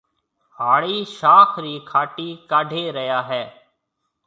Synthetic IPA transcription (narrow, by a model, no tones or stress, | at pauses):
haːɭiːʃaːkʰɾiːkʰaːʈiːkaːɖʱeːɾəjaːɦɛː